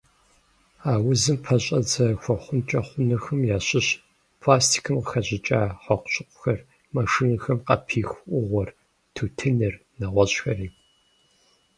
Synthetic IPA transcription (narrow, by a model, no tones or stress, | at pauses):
aːwʊzɨmpʰɐɕʼɐd͡zɐxʷɔχʷʊnt͡ʃʼɐχʷʊnɨxɨmjaːɕɪɕ | pʰlaːstʰi̥kʰɨmqəxɐʑɪt͡ʃʼaːħʷɔqʷɕʼɪqʷʊ̥xɐr | mɐʂinɨxɐmqɐ̰pʰiːxʔʷʊʁʷɔr | tʰuːtʰɨnɨr | nɐʁʷɔɕxɐriː